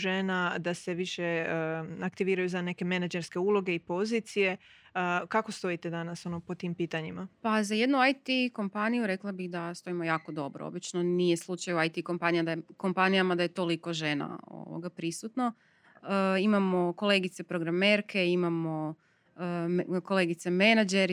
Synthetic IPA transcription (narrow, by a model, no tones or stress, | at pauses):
ʒenad̪aseʋiʃe | akt̪iʋiːɾajuzane̞ke̞menad͡ʒeɾske̞ulˠo̞ɡe̞ipo̞zit̪sije̞ | kako̞st̪o̞it̪ed̪anaso̞nopot̪iːmpiːt̪aɲimapazaje̞d̪nuajt̪iko̞mpanijuɾe̞klˠabiɣd̪ast̪o̞imo̞jaːko̞d̪o̞bɾoo̰bit͡ʃno̞nije̞slˠut͡ʃajuajt̪iko̞mpanijad̪ako̞mpanijamad̪aje̞t̪o̞lˠiko̞ʒena̰o̞̰ʋo̰ɡapɾisut̪no | əimamo̞ko̞le̞ɡit̪se̞pɾo̞ɡɾame̞ːɾkʰe̞imamo̞ | ko̞lˠe̞ːɡit̪seme̞nad͡ʒe̞ɾ